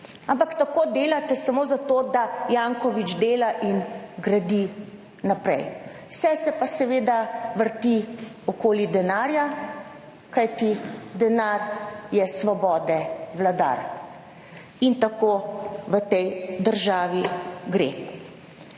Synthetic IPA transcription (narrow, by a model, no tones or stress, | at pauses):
ampakt̪akoːd̪eːlat̪ɛsamoːzat̪od̪ajaŋkɔʋid͡ʒd̪eːlaʔinɡɾad̪i | napɾɛ̰j | wsɛsɛpasɛʋeːd̪aʋəɾt̪i | ɔkoːlid̪ɛnaːɾja | kajt̪id̪ɛnaɾjɛsʋɔbɔːd̪ɛʋlad̪a̰ɾ | int̪akoʋət̪ɛjd̪əɾʒaːʋiɡɾḛ